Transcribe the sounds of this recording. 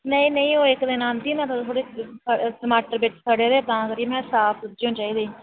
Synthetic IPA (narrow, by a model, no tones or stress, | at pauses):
nəĩːnəĩːoːɪkd̪ɪnãːnd̪iːmɛ̃ːt̪ət̪ʰoːɽeːssəmaːʈəɾʋɪt͡ʃsaːɖeːd̪eːt̪ãːkəɾiemɛ̃ːsaːp̪ʰd͡ʒõːnt͡ʃaːiːd̪eː